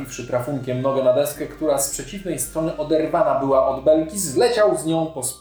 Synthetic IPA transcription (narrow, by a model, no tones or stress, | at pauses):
ifʂɘt̪ɾafuŋkʲɛmnɔɡɛnad̪ɛskɛkt̪uɾaspʂɛt͡ɕivnɛjst̪ɾɔnɘʔɔd̪ɛɾvanabɘwaʔɔd̪bɛlkʲizlɛt͡ɕawzɲɔ̃w̃pɔs